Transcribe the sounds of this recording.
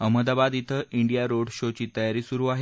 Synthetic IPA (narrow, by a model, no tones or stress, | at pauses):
əməd̪abad̪it̪ʰəʔiɳɖijaɾoɽɕot͡ɕiːt̪əjaɾiːsuɾuːaɦe